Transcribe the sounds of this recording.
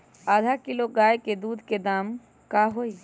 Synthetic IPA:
aːd̪ʱakɪloɡaːjked̪uːd̪ʱked̪aːm | kaɦoːi

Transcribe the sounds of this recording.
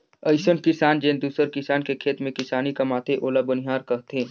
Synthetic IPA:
əɪʃənkɪsaːnd͡ʒẽːnd̪uːsəɾkɪsaːnkekʰeːt̪mẽkɪsaːnikamaːt̪ʰeʔoːlabɐniɦaːɾkɐɦt̪ẽː

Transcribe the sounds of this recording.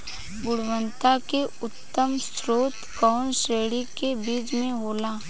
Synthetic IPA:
ɡʊɽwə̃nt̪akeʊt̪ːəmstɾoːt̪kɔːnseːɽikebiːd͡ʒmẽɦoːlaː

